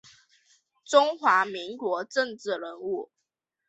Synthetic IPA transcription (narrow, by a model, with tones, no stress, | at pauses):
ʈ͡ʂʊ˥ŋxwa˨˧˥mi˧˦˥ŋkwɔ˧˥˦ʈ͡ʂə˥˧˨ŋʈ͡ʂɻ̩˥˩ɻə˧˥nu˥˩